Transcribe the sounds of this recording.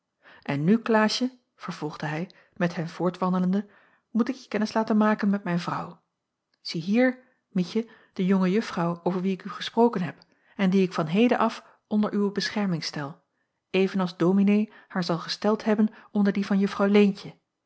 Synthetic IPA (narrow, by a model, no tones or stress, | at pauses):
ʔɛnːyklaːʃə | v̥əɹv̥ɔlˠχdəɦɛj | mɛtɦɛmv̥ʊːɹtʋɑndələndə | mutɪkjəkːɛnɪslaːtənmaːkənmɛt̚mɛjnvrʌw | z̥iɦiːɹ | micə | d̥əjoŋəjɵfrɑwowvəɹʋiɪkyχəsprowkənɦɛp | ɛndiɪkfɑnɦejdənʔɑf | ʔɔndəɹʔywəbəsχɛɹmɪŋstɛlˠ | ejvənɑlˠzdowminej | haːɹzɑlˠχəstɛlˠtɦɛbənɔndəɹdivɑnjɵfrɑwlejncə